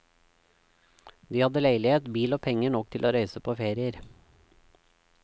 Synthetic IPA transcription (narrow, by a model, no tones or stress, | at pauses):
d̪iːhɑd̪əlæɪlɪeːt̪biːloːpʰɛŋəɳɔkt̪ʰɪlʔoːɾœʏsəpʰoːfeːɾɪəɾ